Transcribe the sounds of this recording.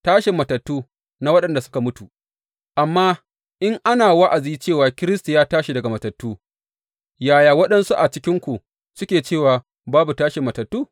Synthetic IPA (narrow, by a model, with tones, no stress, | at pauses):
taː˦ʃɪ˨mːɐ˨tɐ˨tːuː˦ | na˦wɐ˦ɗɐ˨nda˨sʊ̥˦ka˨mʊ˦tu˨ | ʔa˨mːaː˦ | ʔɪ˦ŋʔa˦naː˨wa˦ʔa˨ziː˦t͡ʃeː˦˨waː˨kʲɪ˦ɾɪ˦sta˨jaː˦taː˦ʃi˨dɐ˨ɡa˨mɐ˨tɐ˨tːuː˦ | jaː˦˨jaː˨wɐ˦ɗɐ˦nsu˦ʔa˨t͡ʃɪ˦kʲɪ˦ŋkʷu˨ | sʊ˦kʲeː˨t͡ʃeː˦˨waː˨ | baː˦bu˨taː˦ʃɪ˨mːɐ˨tɐ˨tːuː˦˨